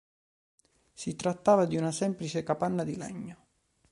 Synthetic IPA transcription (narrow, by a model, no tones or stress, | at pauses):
sit̪ɾat̪ːaːvad̪iunasɛmplit͡ʃekapanːad̪ilɛ̰ɲːo